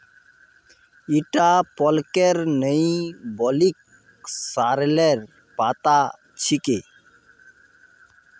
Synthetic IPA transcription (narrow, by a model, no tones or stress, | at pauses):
iʈapɔlkeɾnəĩbɔlik̚ | saːɾleɾ | paːt̪a | t͡ʃʰikeː